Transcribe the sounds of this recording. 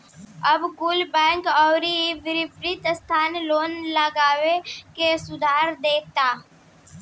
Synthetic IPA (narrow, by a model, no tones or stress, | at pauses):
əbɡuːlbɛ̃ːŋkɔːɾiʋɪɾɪpɾɪt̪st̪ʰaːnloːnləɡaːʋekesʊd̪ʱaːɾd̪eːk̚ʰt̪aː